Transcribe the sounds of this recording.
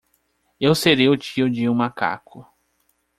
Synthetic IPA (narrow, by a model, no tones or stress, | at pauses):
ewseɾejʊt͡ʃiʊd͡ʒɪũmaka̰kʰʊ